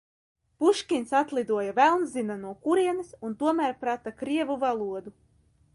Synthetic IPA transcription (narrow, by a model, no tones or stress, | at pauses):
puʃkʲinsat̪lˠid̪uɔjavælˠnzinanuɔkuɾiɛnisunt̪uɔmæɾpɾat̪akɾiɛvuvalˠuɔd̪u